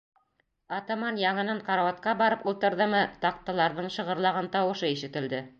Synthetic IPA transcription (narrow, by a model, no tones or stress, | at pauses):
ɑt̪ɑmɑnjɑɴɤ̆nɤɴqɑɾɑwɑt̪̚qɑbɑɾɤpulˠt̪ɤ̆ɾðɤmɤt̪ɑq̚t̪ɑlˠɑɾðɤɴʃɤ̆ʁɤ̆ɾlˠɑʁɤnt̪ɑwɤ̆ʃɤiʃɘ̆t̪ɘ̆ld̪ɘ